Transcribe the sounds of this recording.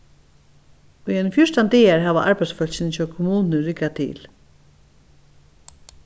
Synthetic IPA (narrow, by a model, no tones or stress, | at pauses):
iɛnfjʊʂt̪ant̪eːaɹɦaːʋa̰ʔaɹpaj̪sfœlɕɪnt͡ɕɔːkʰɔmuːnəɾɪkːat̪ʰḭːl